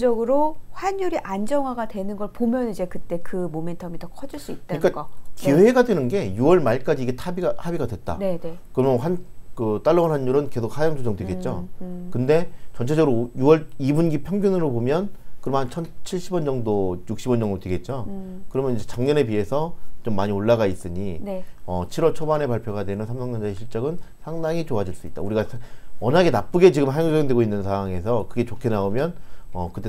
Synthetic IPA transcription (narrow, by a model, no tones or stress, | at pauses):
d͡ʑʌɡɯɾoɸwaɲjuɾiʔand͡ʑʌŋwaɡadwe̞nɯnɡʌɭpomjʌnid͡ʑe̞kɯt͈e̞kɯmome̞ntʰʌmitʌkʰʌd͡ʑiɭs͈uit̚t͈aɯɲk͈aʌkiweɡadwe̞nɯnɡe̞juʌɭmaɭk͈ad͡ʑiːɡe̞tʰabiɡahabiɡadwe̞t̚t͈a̰nkɯɾʌmjʌnɸankɯt͈aɭːʌŋɯnɦanjuɾɯnke̞sʰok̚hajʌŋd͡ʑʰod͡ʑʌŋdweɡe̞t̚t͡ɕ͈o̰kɯnde̞t͡ɕʌnt͡ɕʰe̞d͡ʑʌɡɯɾojuwʌɭibunɡipʰjʌŋɡjʌnɯɾobomjʌnkɯɾʌmɦat͡ɕʰʌnt͡ɕʰiɭɕ͈ʰibwʌnd͡ʑʌŋdojuk̚ɕ͈ibʌnd͡ʑʌŋdotweɡe̞t̚t͡ɕ͈o | kɯɾʌmjʌnid͡ʑet͡ɕaŋɲʌne̞pie̞sʰʌt͡ɕomːaɲioɭːaɡais͈ɯɲiʌt͡ɕʰiɾwʌt͡ɕʰobane̞paɭpʰjoɣadwemɯnsʰamsʰaŋɲʌnd͡ʑaeɕʰiɭt͡ɕ͈ʌɡɯnsʰaŋdaŋit͡ɕoad͡ʑiɭs͈uit̚t͈a̰uɾiɡasʰeʌnaɡe̞nap͈uɡe̞t͡ɕiɡɯmɦajʌŋd͡ʑod͡ʑʌŋdwe̞ɡoinːɯnsʰawaŋe̞sʰʌkɯɡe̞t͡ɕokʰe̞naomjʌnʌ̰kɯt͈e